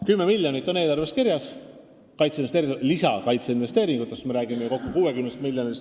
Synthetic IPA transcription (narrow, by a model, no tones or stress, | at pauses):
kymːe̞milʲjonit̪ˑːo̞ne̞ːlɑrvest̪kiɾjɑs | kɑjt̪seinest̪eːɾiɡ̪lisɑkɑjt̪seinve̞st̪eːɾiŋɡ̥ut̪ːˑe̞st̪meɾæːɡ̥imeko̞kːukuːwekymnest̪milʲjonis